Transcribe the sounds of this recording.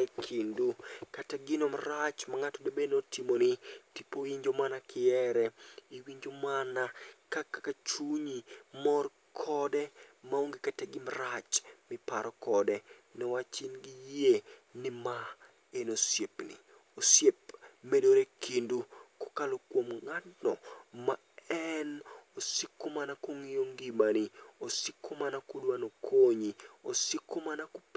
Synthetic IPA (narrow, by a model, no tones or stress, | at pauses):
ɛkʰindukataɡɪnomaɾat͡ʃmaŋatodobenotʰimonɪtipoiɲd͡ʒomanakʰɪɛɾɛiwiɲd͡ʒomanakakakat͡ʃuɲimɔr | kʰɔdɛmaoŋɡikataɡɪmaɾat͡ʃmɪpaɾɔkɔdɛnɛwat͡ʃɪnɡɪjenɪma | enosjepnɪ̰ | osjep̚medoɾekindukʊ̥kalokwomŋatnɔma | ɛnosɪkːʊmanakoŋijoŋɡimaniosɪkʰːʊmanakʊdwanokʰoɲiosikːomanakʊp